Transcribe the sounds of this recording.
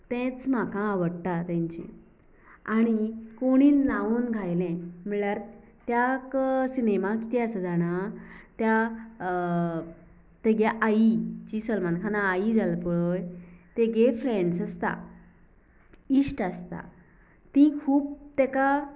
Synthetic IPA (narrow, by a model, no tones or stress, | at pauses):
t̪ɛ̃t͡sm̤akʰãːʋəɽt̪at̪ɛ̃ɲt͡ɕḭ̃ | aɽ̃ikoɽ̃iːnnaunɡʱajlɛ̃m̤iɭjaɾ | t̪jaksinemaki̥t̪ʰɛasəd͡zaɽ̃at̪ja | t̪eɡjaʔait͡ɕisəlmankʰanaːid͡zalpəɭojt̪eɡefɾẽɳɖsəst̪a̰ | iɕʈast̪a̰ | t̪ĩkʰuːp̚t̪ɛka